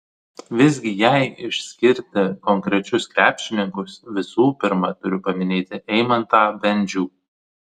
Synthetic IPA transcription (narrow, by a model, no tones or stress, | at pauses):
ʋʲɪzʲɡʲɪjɛɪɪʃʲsʲkʲɪɾʲt̪ʲɛkɔŋʲkɾʲɛt͡ʃʲʊskɾʲæːpʲʃʲɪnʲɪŋkʊsʋʲɪsuːpʲɪɾmɐt̪ʊɾʲʊpɐmʲɪnʲeːt̪ʲɪʔɛɪmɐnt̪ɑːbʲɛnʲd͡ʒʲuː